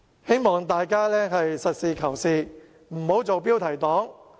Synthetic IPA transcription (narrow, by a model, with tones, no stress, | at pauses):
he˥jmɔː˨ŋt̪aː˨jkaː˥lɛː˥ɦɐ˨jsɐ˨t̚siː˨˧kʰɐ˨˩wsiː˨˧ | m̩˨˩ho˨˥wt͡so˨wpiː˥wt̪ʰɐ˨˩jt̪ɔː˨˥ŋ